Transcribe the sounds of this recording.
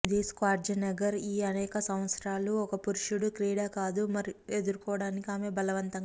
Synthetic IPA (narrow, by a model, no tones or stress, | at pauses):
d̪eːskaːɾd͡ʒɐnɐɡɐɾiːɐnɛːkɐsɐmʋɐt̪sɾaːluɔkɐpuɾuʂuɽukɾiːɽaːkaːd̪umɐɾied̪uɾukɔːɐɽaːnikiaːmeːbɐlɐʋɐnt̪ɐŋ